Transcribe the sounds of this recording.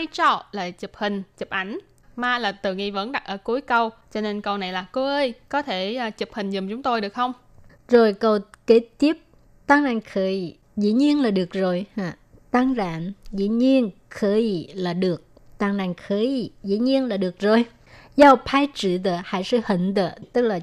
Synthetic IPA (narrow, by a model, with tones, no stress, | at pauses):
a˧jt͡ɕɔ˧˩laː˨˩t͡ɕɨ˨˩p̚hï˨˩ŋ̟t͡ɕɨ˨˩p̚ʔa˧˩jŋ̟ | maː˧laː˨˩t̪ɨ˨˩ŋi˧və̰˧˥nɗa˨˩t̚ʔəː˧˩ku˨˦əjkə˧wt͡ɕɔ˧ne˧nkə˧wna˨˩jlaː˨˩ko˧˦ʔəː˧jkɔ˨˦t̪ʰeː˧˩˨t͡ɕɨ˨˩p̚hï˨˩ŋ̟zʊ˨˩mŋ͡mt͡ɕʊ˨˦ŋ͡mt̪o˧jɗɨ˨˩ək̚xə˧wŋ͡m | zo˨˩jkə˧˩wke˧˥t̪i˦˥əp̚ | t̪aː˧ŋna˨˩ŋxəː˨˦j | zḭ˧˥ɲi˧ənlaː˨˩ɗɨ˨˩ək̚zo˨˩jhaː˧˩ | t̪a˧ŋza̰ː˧˨nzḭ˧˥ɲi˧ənxəː˧˦ji˨˩laː˨˩ɗɨ˨˩ək̚ | t̪a˧˩ŋna˨˩ŋxəː˨˦i˨˩zḭ˧˥ɲi˧ənlaː˨˩ɗɨ˨˩ək̚zo˨˩j | zaː˧˩pʰaː˧jt͡ɕɨ̰˧˨t̪ə̰ː˧˨˩ha̰ː˧˥jsɨ̰˧˦hḭ˧˩˨ŋ̟t̪ə̰ː˧˩˨t̪ɨ˦˥k̚laː˨˩